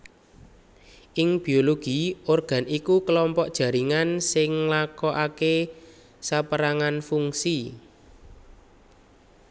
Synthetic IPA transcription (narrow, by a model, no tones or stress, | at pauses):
ʔɪŋb̥i̤oloɡ̥i̤orɡ̥a̤nikukəlɔmpɔʔd̥ʒ̥a̤ɾiŋansɪŋlakɔʔake | sapəɾaŋanfuŋsi